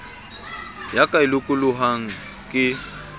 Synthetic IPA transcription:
jakʼailʊkʼʊlʊɦaŋ̩ | kʼɪ

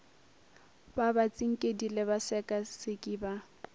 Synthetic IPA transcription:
babat͡sʼiŋ̩kʼedilɛβasɛkʼasɪkʼiːba

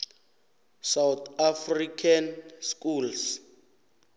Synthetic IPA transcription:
sawt̪ʰafrikʰanskuls

